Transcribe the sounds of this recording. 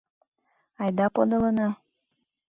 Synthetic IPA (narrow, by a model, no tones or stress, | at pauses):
ɑjd̪ɑpod̪olɤnɑ